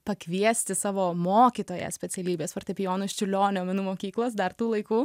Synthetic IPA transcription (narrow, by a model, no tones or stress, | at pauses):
pɐkʋʲiɛsʲt̪ʲɪsɑːʋoːmoːkʲit̪oːjɛ̰sʲpʲɛsʲɛlʲiːbʲeːsfɐrt̪ʲɛpʲɪjoːnʊsʲt͡ʃʲʊlʲoːnʲoːmʲɛnuːmoːkʲiːklˠoːsd̪ɐrt̪uːlˠɐɪkuː